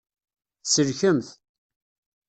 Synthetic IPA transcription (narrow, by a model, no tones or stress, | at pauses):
səɾçəmθ